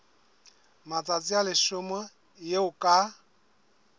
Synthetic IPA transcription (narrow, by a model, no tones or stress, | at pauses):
mat͡sʼat͡sʼialɪʃʊmɔ | jeʊkʼa